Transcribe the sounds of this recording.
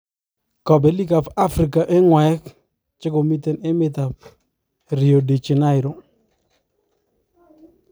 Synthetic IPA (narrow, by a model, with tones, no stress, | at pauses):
kɔ˨be˨˦li˦ka˨pa˦fɾi˨ka˨ʔe˦ŋwɛ˨˦k | t͡ʃɪ˦ɡo˨mi˦t̪e˨ne˦mɪ˦t̪a˨p | ɾi˨o˨di˨t͡ʃi˨na˦ɪ˨ɾo˨